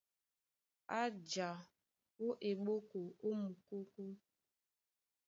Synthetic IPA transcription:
a˦d͡ʒa˨ | o˦ʔe˨ɡ͡bo˦ko˨o˦mu˨ko˦ko˦

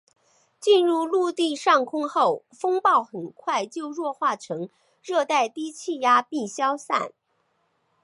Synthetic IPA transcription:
t͡ɕi˥˧nɻu˥˧lu˥˧t̪i˥˧ʂɑ˥˩ŋkʰʊ˥ŋxo˥˩ʊ | fɤ˥ŋpɑ˥˩ʊxə˨˩nkʰwa˥˧ɪt͡ɕjo˥˧ʊɻwɔ˥˧xwa˥˩ʈ͡ʂʰɤ˧˥ŋ | ɻɤ˥˧t̪a˥˩ɪt̪i˥t͡ɕʰi˥˩ja˥pi˥˩ɕjɑ˥ʊsa̰˥˩n

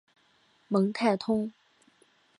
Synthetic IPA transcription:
mɤ˧˥ŋt̪ʰa˥˩ɪt̪ʰʊ˥ŋ

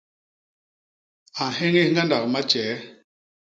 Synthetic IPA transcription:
a˨he˦ŋe˦ŋɡa˦nda˨kma˦t͡ʃɛː˨˦

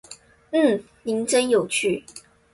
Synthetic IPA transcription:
n̩˥˩ | ni˧˥ŋʈ͡ʂə˥njo˨˩ʊt͡ɕʰy˥˩

